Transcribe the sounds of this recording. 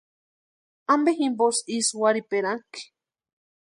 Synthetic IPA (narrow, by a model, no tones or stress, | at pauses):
ambeximbosiswaɾipeɾaŋki̥